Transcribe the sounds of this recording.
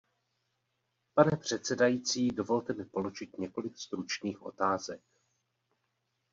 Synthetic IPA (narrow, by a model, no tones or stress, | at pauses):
panɛpr̝̥ɛt̪sɛdajit͡siːdo̞vo̞lt̪ɛmɪpo̞lo̞ʒɪt̪ɲɛko̞lɪkst̪ɾut͡ʃniːxʔo̞̰t̪aːzɛk̚